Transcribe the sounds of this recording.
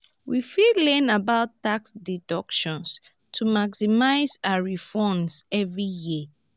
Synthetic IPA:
wifilɛ̃nabaʊtːaksdidɔkʃɔ̃ns | tʰumaksimaɪzaɹifɔ̃nsɛvɹijiə

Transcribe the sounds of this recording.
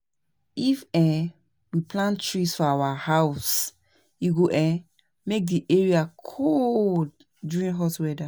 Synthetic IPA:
ifɛ | wipʰlãntɹisfɔawahaʊs | iɡoʔɛ̃ | mek̚diʔɛɹiakʰolld | djuɹĩnɦɔtwɛda

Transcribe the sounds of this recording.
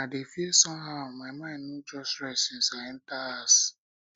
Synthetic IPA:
adefiesɔ̃mɦaʊmaɪmãɪ̃nːod͡ʒɔstɹɛsɪ̃nsaɛ̃ntaas

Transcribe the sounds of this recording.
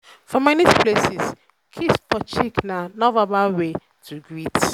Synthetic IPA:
fɔ̃manispʰlesis | kʰispʰɔt͡ʃiknanɔvabawe | tʰuɡɹit

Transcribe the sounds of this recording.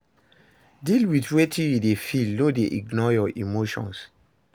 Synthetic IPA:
dilwitwetĩjudefilnodeʔiɡnɔjɔʔimoʃɔ̰̃ns

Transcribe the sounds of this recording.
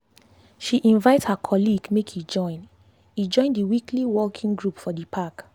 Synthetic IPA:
ʃiʔĩnvaɪthakʰɔliɡmekʰhid͡ʒɔ̃ɪ̃n | id͡ʒɔ̃ɪ̃ndiwikʰliwɔkʰĩŋɡɹupfɔdipʰak

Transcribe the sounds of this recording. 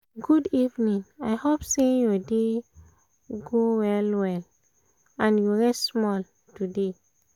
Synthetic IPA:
ɡudivnĩŋajhopsejɔde | ɡowɛlwɛl | ãnjuɹɛstsmɔl | tude

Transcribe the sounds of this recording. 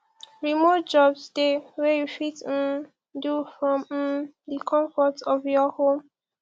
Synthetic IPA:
ɹimot̚d͡ʒɔbsdewɛjufitn | dufɹɔ̃mdikʰɔ̃ɱfɔtɔvjɔhõm

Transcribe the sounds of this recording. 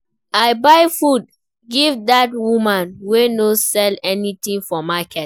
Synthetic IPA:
aɪbaɪfud̚ | ɡivdatwumãnwenosɛlɛnit̪ĩŋfɔmakɛt

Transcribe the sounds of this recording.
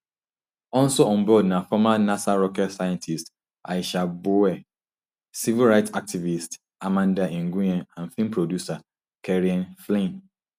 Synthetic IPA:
ɔnsoɔ̃nbɔdnãfɔmanasaɾɔkɛtsajãntʰist | ʔa̰iʃabowɛ | sivilɾaɪtak̚tʰivist | amãndaʔĩŋ̩ɡũãnãnfĩmpʰɾodjusa | kʰɛɾiãnflẽn

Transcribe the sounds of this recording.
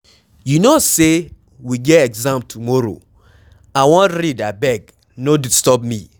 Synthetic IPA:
junose | wiɡɛtɛɡzãmtʰumɔɾo̰ | aɪwɔ̃ntɾidabɛɡ | nodistɔpmi

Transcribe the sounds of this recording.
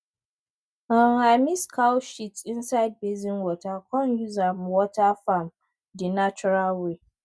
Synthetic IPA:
aŋhamiskʰawʃitsʔɪnsajd̚bezinwɔtakɔnjuzamwɔtafam | dinat͡ʃɔɾalwe

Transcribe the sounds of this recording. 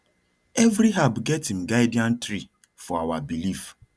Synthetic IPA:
ɛvɾiɦabɡɛtĩmɡaɪdiãntɾi | fɔawabilif

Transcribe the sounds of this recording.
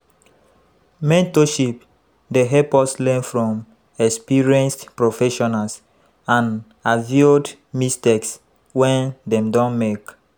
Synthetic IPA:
mɛ̃ntoʃip | deɦɛpɔslɛ̃nfɹɔ̃m | ɛkspiɹiɛ̃nstpɹofɛʃɔnals | ãn | avid | misteks | wɛ̃ndɛ̃mdɔ̃nmek

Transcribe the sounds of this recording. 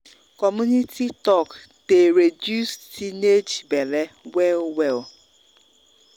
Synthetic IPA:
kɔmunitʰitɔk | teɾedjusttined͡ʒbelewelwel

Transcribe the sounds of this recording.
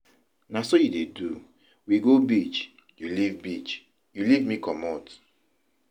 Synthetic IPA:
nasojudedu | wiɡobit͡ʃ | julivbit͡ʃ | julivmikɔmɔt

